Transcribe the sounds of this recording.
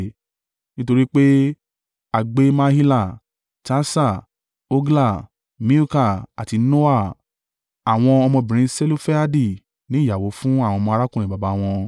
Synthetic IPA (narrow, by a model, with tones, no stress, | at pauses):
nĩ˦to˧ɾi˦k͡pe˦ | a˧ɡ͡be˦mã˦hi˦la˦˨ | ta˦sa˦˨ | o˦ɡla˦˨ | mĩ˦u˦ka˦˨a˨ti˨˧no˦a˦˨ | a˨w̃ɔ̃˧ɔ˧mɔ̃˧bĩ˨ɾ̃ĩ˧˦se˦lo˦fɛ˦a˦di˦˨ | nĩ˨˦˨ja˨wo˨˦fũ˦a˦˨w̃ɔ̃˧mɔ̃˧ɾa˦kũ˦˨ĩ˨ba˨ba˨˦w̃ɔ̃˧